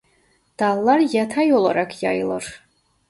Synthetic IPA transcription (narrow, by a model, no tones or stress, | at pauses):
d̪̥alːarjat̪ʰajolˠa̰ɾakʰja̰jlˠər